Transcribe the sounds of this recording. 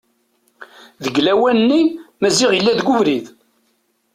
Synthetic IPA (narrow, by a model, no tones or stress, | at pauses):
ðəɡlæwænnːimæzɪʁjəlːæðɡʷʊvɾið